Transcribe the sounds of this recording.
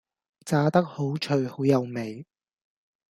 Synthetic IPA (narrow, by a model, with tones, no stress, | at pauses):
t͡saː˧t̪ɐ˥k̚ho˨˥wt͡ʃʰɵ˨˧ɥho˨˥wjɐ˨˧wme˨j